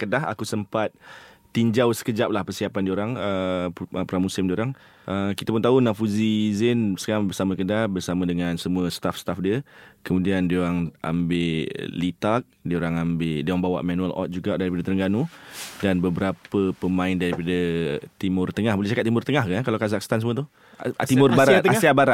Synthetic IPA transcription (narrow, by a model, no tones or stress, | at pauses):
kədaɦa̰kusəmpat̪̚ː | iɲd͡ʒawsə̥kəd͡ʒap̚lahpərsiapandioɾaŋəəpəɾamusɪmdioɾaŋ | ʔəkit̪apʊnt̪aunafuzizɛnsə̥kaɾaŋbərsamakədahbərsamadəŋansəmuəst̪afst̪afdiəkəmũdiandəoɾaŋʔa̰mbɪʔlit̪ak̚diəoɾaŋambɪdioɾaŋbawa̰ʔmãnualʔɔ̰t̪̚d͡ʒuɡaʔdaɾipadət̪əɾəŋɡanudanbəbəɾapəpəmãɪndaɾipadət̪imʊrt̪əŋahbolɛht͡ʃakat̪̚t̪ːimʊrt̪əŋahkankalawkazakst̪ansəmuət̪u | t̪imʊrbaɾaasiabaɾat̪